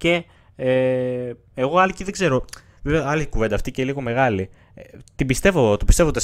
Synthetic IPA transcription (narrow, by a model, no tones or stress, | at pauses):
ce̞ | e | eɣo̞ɐliciðe̞ɡze̞ɾo̞ | veveɐlikuve̞nd̪ɐːft̪iceliɣo̞me̞ɣɐli | t̪ibist̪e̞vot̪opist̪evot̪is